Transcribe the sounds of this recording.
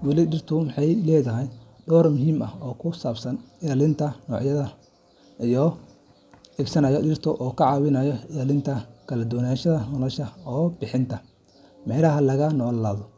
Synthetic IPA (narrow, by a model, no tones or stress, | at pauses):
wɑlɪɖɪrt̪ʰʊmɑħɑjlɛːðɐɦɛjɖɔːrmʊɦiːmɐ̰hɔːkʰʊsaːbsɐnɪjaːlɪnt̪ʰɐnɔːʕjɐðɐ | ijɔ | ɛɡsɐnɐːjɔɗɪrt̪ʰɔʔɔːkʰɐʕɑːwɪnaːjɔjaːlɪnt̪ʰɐkʰɐlɐd̪ɔːnaːʃɐðɐnɔlɔʃɐɔːbɪħɪnt̪ʰɐ | mɛɾɐɦɐlɐɣɐnɔːlːaːðɔ